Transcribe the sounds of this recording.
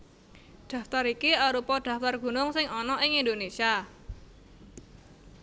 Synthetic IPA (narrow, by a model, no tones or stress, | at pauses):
ɖ̪̥a̤ft̪aɾikiaɾupɔd̥ä̤ft̪arɡ̥ṳnʊŋsɪŋɔnɔʔɪŋind̪onesia